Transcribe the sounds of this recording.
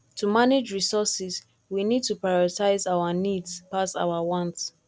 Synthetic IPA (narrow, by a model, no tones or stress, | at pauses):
tʰumaned͡ʒɹisɔsis | winid̚tupɹajɔɹitaɪzawanidspasa̰ʊawɔ̃nts